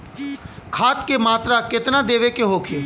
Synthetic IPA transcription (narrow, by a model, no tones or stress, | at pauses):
kʰaːt̪kemaːt̪ɾakɪt̪nad̪eːʋekeɦoːkʰeː